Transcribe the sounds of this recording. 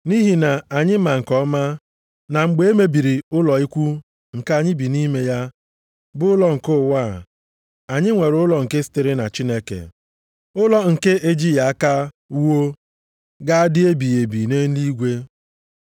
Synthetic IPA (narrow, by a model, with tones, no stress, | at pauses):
ni˦ɦi˨na˨a˨ɲɪ˦ma˨ŋ̩˨kɔ˦ma˦ | na˨ŋ͡m̩˨ɡ͡be˦e˦me˦bi˨ɾi˨ʊ˦lɔ˨i˦kʷu˦ | ŋ̩˨ka˦˨ɲɪ˦bi˨ni˦me˦ja˦ | bʊ˦ʊ˦lɔ˨ŋ̩˨kʊ˦˨wa˦˨ | a˨ɲɪ˦ŋʷe˨ɾʊ˨˦ʊ˦lɔ˨ŋ̩˨ke˦si̥˦tɪ˦ɾɪ˦na̰˨t͡ʃi˦ne˦kḛ˨ | ʊ˦lɔ˦ŋ̩˨ke˦ʔe˦d͡ʒi˦ja˨a˦ka˦ | u˦wo˦ | ɡa˦a˦dɪ˦e˦bi˨je˨bi˨ne˦n̩˦li˦ɡʷe˦